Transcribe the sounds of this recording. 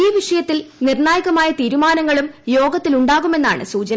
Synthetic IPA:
iːʋiʂɐjɐt̪ːilnirnaːjɐɣɐmaːjɐt̪iːɾumaːnɐŋːɐɭumjo̞ːɡɐt̪ːiluɳɖaːɣume̞nːa̰ːɳɨ̰suːt͡ɕɐn

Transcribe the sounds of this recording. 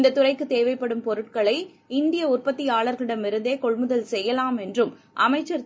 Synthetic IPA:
nd̪ɐt̪ːʊrɐɪkːɯt̪ːeːʋɐɪpːɐɽɯmpɔɾɯʈ̚kɐɭɐɪ | ɪnd̪ɪjɐʊrpɐt̪ːiaːɭɐɾɣɐɭɪɽɐmɪɾɯnd̪eːkɔɭmɯðɐlsɛjːɐlaːmɛndrɯm | ʔɐmɐɪt͡ʃːɐɾ

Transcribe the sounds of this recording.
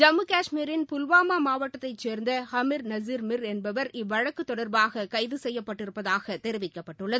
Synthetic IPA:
d͡ʒɐmɯkaːʂmiːɾɪnpʊlʋaːmaːmaːʋɐʈːɐt̪ːɐɪt͡ʃeːɾnd̪ɐhɐmɪɾnɐziɾmɪɾɛnbɐʋɐɾɪʋːɐɻɐkːɯt̪ːɔɽɐɾbaːɣɐkɐɪðɯsɛjːɐpːɐʈːɪɾɯpːɐðaːɣɐt̪ɛɾɪʋɪkːɐpːɐʈːɯɭːɐðɯ

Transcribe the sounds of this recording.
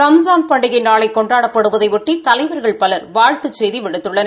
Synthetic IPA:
ɾɐmzaːmpɐɳɖɪɣɐɪnaːɭɐɪkːɔɳɖaːɽɐpːɐɽɯʋɐðɐɪʋɪʈːit̪ɐlɐɪʋɐɾɣɐɭpɐlɐɾʋaːɻt̪ɯt͡ʃːɛjðiʋɪɽɯt̪ːɯɭːɐn

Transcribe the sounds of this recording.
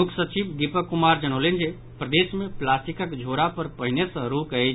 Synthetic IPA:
mukʰsət͡ʃibd̪ipəkːumaɾd͡ʒəɽ̃əlend͡ʒe | pɾəd̪esmeplasʈikəkd͡ʒʱoɾapəɾpəɦinesə̃ɾukəj

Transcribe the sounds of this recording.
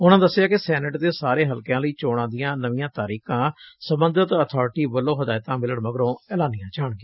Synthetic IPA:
ʊnãːd̪əsːɪjaːkɪsɛːnəʈd̪eːsaːɾeːɦəlkjãːləiːt͡ʃoːɽ̃ãːd̪ɪjãːnəʋɪjãːt̪aːɾiːkãːsəmbənd̪ət̪ət̪ʰɔːɾʈiːbəlːõːɦəd̪aːjt̪ãːmɪləɳməɡɾõːɛːlãːnɪjãːt͡ʃaːɳɡeː

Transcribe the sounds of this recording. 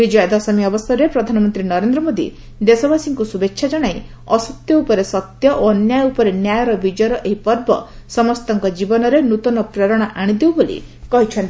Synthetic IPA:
bid͡ʒɔjɔd̪ɔsɔmiɔbɔst̪ʰɔɾepɾɔd̪ʱanɔmɔnt̪ɾinɔɾend̪ɾɔmod̪ḭ | d̪esɔbasiŋkusubekʃʰad͡ʒaɽ̃aj | ɔsɔt̪jɔupɔɾesɔt̪jɔʔoɔnjajupɔɾenjajɔɾɔbid͡ʒjɔɾɔʔeɦipɔɾbɔsɔmɔst̪ɔŋkɔd͡ʒibɔnɔɾenut̪ɔnɔpɾeɾɔɽ̃aʔaɽ̃id̪ewbolḭkɔɦit͡ʃʰɔnt̪i

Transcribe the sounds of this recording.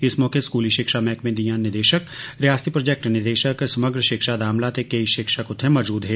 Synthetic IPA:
ɪsmɔːkeskuːliʃɪkʃamɛːkmẽd̪ijãːnɪɾd̪eːʃəkɾejaːst̪ʰipɾod͡ʒek̚ʈnɪd̪eːʃəksɐməɡɾəʃɪkʃad̪aːmlat̪ekeiʃɪkʃakʊt̪ʰemɔd͡ʒuːd̪ɦɛː

